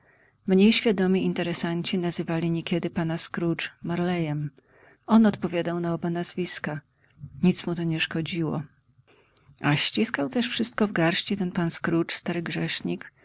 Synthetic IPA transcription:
mɲejɕfʲjad̪ɔmʲiint̪ɛɾɛsaɲt͡ɕinazɘvalʲiɲekʲɛd̪ɘpanaskɾut͡ʂmaɾlɛjɛm | ɔnɔt̪pɔvʲjad̪awnaɔbanazvʲiska | ɲit̪smut̪ɔɲɛʂkɔd͡ʑiwɔ̰ | aɕt͡ɕiskawt̪ɛʂfʂɘst̪̚kɔvɡaɾɕt͡ɕit̪ɛnpanskɾut͡ʂst̪aɾɘɡʐɛʂɲik

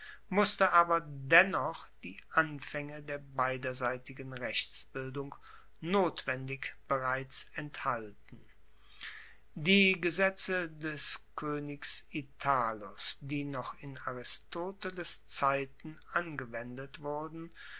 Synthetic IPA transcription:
mʊstəʔaːbɐdɛnɔχd̥iːʔanfɛŋədeːɐbaɪdɐzaɪtɪɡənʁɛçt͡sb̥ɪldʊŋ | noːtv̥ɛndɪkb̥əʁaɪt͡sɛnthaltn̩ | diːɡəzɛt͡sədɛskʰøːnɪksitʰaːlʊsd̥iːnɔχɪnaʁɪstʰoːtəlɪst͡saɪtn̩ʔanɡəvɛndətv̥ʊɐdn̩

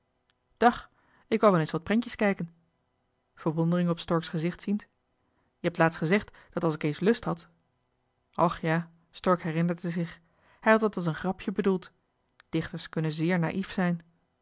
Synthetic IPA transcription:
d̥ɑχ | ɪkʋɑlˠʋɛlˠensʋɑt̚prɛŋcəskɛjkən | v̥əɹʋɔndərɪŋəɔpstɔɹksχəzɪχtsint | jəɦɛp̚tlaːtstχəzɛχt | d̥ɑtɑlˠsɪkejnslɵstɦɑt | ʔɑχjaː | stɔɹkɦɛrɪnəɹdəzɪχ | hɛjɦɑtɑtɑlˠs̬ənχrɑpʰjəbədulˠt | d̥ɪχtəɹskɵnənzɪːɹna̰ːʔifsɛjn

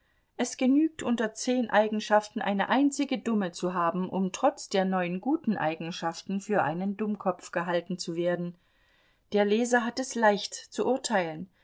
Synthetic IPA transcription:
ʔɛsɡ̥ənyːk̚tʔʊntɐt͡seːnʔaɪɡŋ̩ʃaftn̩ʔa̰ɪnə̰ʔaɪnt͡sɪɡədʊmət͡suɦaːbm̩ʔʊmtʁ̥ɔt͡sd̥eːɐnɔʏənɡuːtn̩ʔa̰ɪɡŋ̩ʃaftn̩fyːɐʔaɪnəndʊmkʰɔpp͡fɡ̥əɦaltn̩t͡suveːɐdn̩ | d̥eːɐlɛːzɐɦatɛslaɪçtt͡suʔʊɐtʰaɪlən

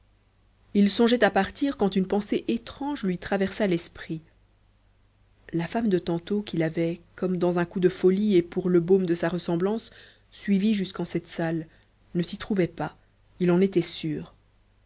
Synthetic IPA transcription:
ilsɔ̃ʒɛt̪apaʁt̪iʁkɑ̃t̪ynpɑ̃seʔet̪χɑ̃ʒlɥit̪χavɛʁsalɛspχi | lafamd̪ət̪ɑ̃t̪okilavɛkɔmd̪ɑ̃zɛ̃kud̪əfɔliepuʁləbomd̪əsaʁəsɑ̃blɑ̃sː | ɥiviʒyskɑ̃sɛt̪sal | nəsit̪χuvɛpa | ilɑ̃net̪ɛsyːʁ

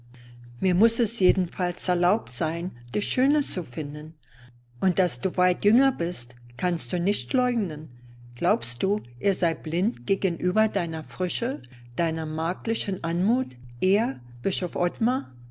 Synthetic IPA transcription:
miːɐmʊsɛsjeːdn̩falsɛɐlaʊp̚tz̥aɪnd̥iːʃøːnət͡sufɪndən | ʔʊnt̚d̥asd̥uːvaɪtjʏŋɐbɪstkʰanst̚d̥uːnɪçtlɔʏɡnən | ɡ̥laʊpst̚d̥uːʔeːɐzaɪblɪntɡ̥eːɡənʔyːbɐdaɪnɐfʁ̥ʏʃə | d̥aɪnɐmaːklɪʃən̩ʔanmuːtʔeːɐ | b̥ɪʃofʔɔtma

